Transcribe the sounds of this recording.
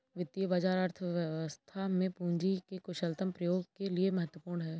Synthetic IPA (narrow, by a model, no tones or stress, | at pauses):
ʋɪt̪ːijəbad͡ʒaːɾaːɾt̪ʰəʋjəʋəst̪ʰamẽpũːɲd͡ʒikekʊʃəlt̪əmpɾɐjoːɡkeliemɐɦət̪wəpuːɾɳɦɛː